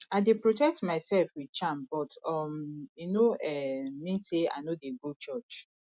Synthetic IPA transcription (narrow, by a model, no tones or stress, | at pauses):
aɪdepɹotɛk̚tmaɪsɛlfwidt͡ʃãmbɔtɔminoɛmĩnsea̰nodeɡut͡ʃɔt͡ʃ